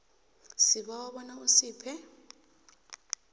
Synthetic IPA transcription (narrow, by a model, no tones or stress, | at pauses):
siɓawaɓɔnausiːpʰɛ